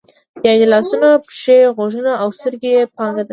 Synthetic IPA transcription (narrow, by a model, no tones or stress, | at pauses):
jɑnelɑsunapʃeɣoʒənaʔawst̪əɾɡejepɑŋɡad̪a